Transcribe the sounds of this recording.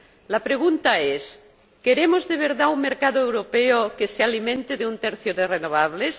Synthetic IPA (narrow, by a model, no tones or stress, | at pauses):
lapɾeɣ̞unt̪aes | keɾemozðeβ̞eɾðauŋmeɾkaðoewɾopeokesealimẽnt̪eðeunt̪eɾθjoðerenoβ̞aβles